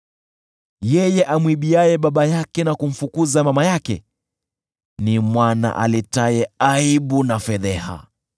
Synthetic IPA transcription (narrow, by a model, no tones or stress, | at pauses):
jɛjɛʔamwiɓiajɛɓaɓajakɛnakum̩fukuzamamajakɛ̰ | nimwana̰ʔa̰litajɛaiɓunafɛðɛha̰